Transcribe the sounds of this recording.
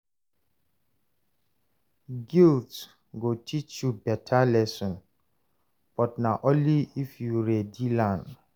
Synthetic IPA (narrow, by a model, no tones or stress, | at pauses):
ɡilt | ɡotʰit͡ʃjubɛtʰalɛsɔ̃n | b̥ɔt̚nãʔõnliifjuɾɛdilãn